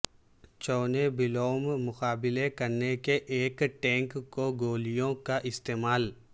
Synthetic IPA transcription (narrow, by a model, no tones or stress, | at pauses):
t͡ʃɔːnebɪloːmmʊxaːbɪlekɐɾnekeʔeːkʈɛ̃ːŋkkːoɡoːlijõkaʔɪst̪eːmaːl